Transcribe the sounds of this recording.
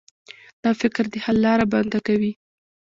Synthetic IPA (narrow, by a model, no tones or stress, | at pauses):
d̪̥ɑfɪkɾd̪əhalːɑɾaband̪akawi